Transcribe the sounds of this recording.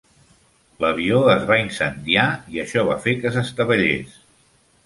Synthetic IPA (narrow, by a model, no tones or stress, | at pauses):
ləβ̞ioəzβainsənd̪iaiəʃɔβ̞a̰fekəsəst̪əβəʎḛs